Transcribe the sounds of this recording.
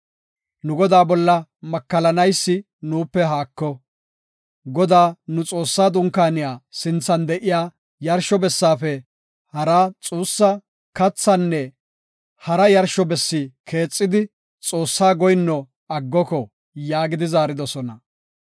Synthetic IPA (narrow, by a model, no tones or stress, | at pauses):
nʊɡɔd̪aːbɔlːɐmɐkːɐlɐnɐjsːɪ | nuːpːɛɦaːkːɔ | ɡɔd̪aːnʊt͡sʼo̞ːsːaːd̪ʊŋkːaːnɪjaːsɪnt͡sːɐnd̪ɛʔɪjaː | jɐɾʃɔbɛsːaːfɛ | hɐɾaːt͡sʼuːsːɐ | kɐt͡sːɐnːɛ | hɐɾɐjɐɾʃɔbɛsːɪkʰe̞ːt͡sʼːɪd̪ɪ | t͡sʼo̞ːsːaːɡɔjnːɔ | ɐɡːɔkɔ | jaːɡɪd̪ɪzaːɾɪd̪ɔsɔnɐ